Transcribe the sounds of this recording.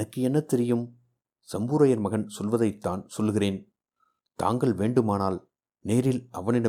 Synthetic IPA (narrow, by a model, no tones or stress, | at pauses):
nɐkːɯɛnːɐt̪ːɛɾɪjɯm | sɐmbuːɾɐjɐɾmɐɣɐnsɔlʋɐðɐɪt̪ːaːnsɔlːɣɪreːn | t̪a̰ːŋɡɐɭʋeːɳɖɯmaːnaːl | neːɾɪlʔɐʋɐnɪɽɐ